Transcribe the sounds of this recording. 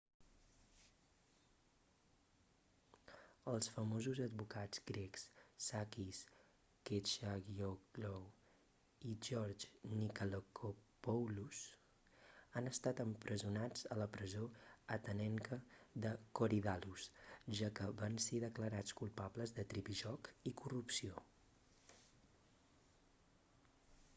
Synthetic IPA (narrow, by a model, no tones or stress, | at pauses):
əlˠsfəmozuzəd̪̚bukad͡zɡɾeksːakis | ket͡ʃaɣioklow | iʒɔɾd͡ʒnikalokʰopɔwlus | anəst̪at̪əmpɾʔəzunad͡zələpɾəzoət̪ənɛŋkəðəkoɾiðalusʒakəβanseðəkləɾat͡skulˠpabləzðət̪ɾipiʒɔkikurupsio